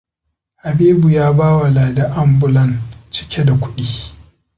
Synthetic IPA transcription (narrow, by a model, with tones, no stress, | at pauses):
ha˨biː˦bu˨jaː˦baː˦wa˨laː˨da˦ʔa˦mbʊ˦lɐ˦˨nt͡ʃɪ̥˦kʲe˦da˨kʷʊ̥˦ɗiː˦